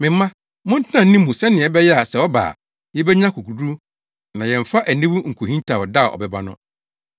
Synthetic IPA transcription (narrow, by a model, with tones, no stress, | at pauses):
mɪ̃˨m˦mã˦ | mʊ̃˦n̩˦tʰnã˨˦nĩ˦mːũ˨sɛ̃˦nɪ̃˨ɛ˨bɛ˦jɛ˦a˨sɛ˨wɔ˦ba̰ː˨ | jɛ˦bɛ˦ɲã˦kʰu˨kʰu˨du˦ | nã˨jɛ̃˨ɱ̩˨fa˦ʔæ˨nĩ˦wu˦ŋ̩˨kʰu˨hĩ˦ntʰa˨wɔ˨da˦˨ɔ̰˨bɛ˨ba˦nʊ̰̃˦